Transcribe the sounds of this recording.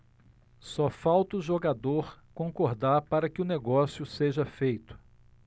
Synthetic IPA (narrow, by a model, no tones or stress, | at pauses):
sɔfawt̪ʊʒoɡad̪oɾkõŋkoɾd̪aɾpaɾɐkɪʊneɡɔsjʊseʒɐfejt̪ʊ̥